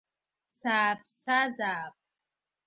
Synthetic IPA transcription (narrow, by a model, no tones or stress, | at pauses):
saːpʰʼsazaːp̚ʼ